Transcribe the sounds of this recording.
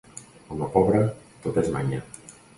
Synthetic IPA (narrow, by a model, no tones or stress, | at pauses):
kɔmapɔβɾat̪ot̪ezma̰ɲa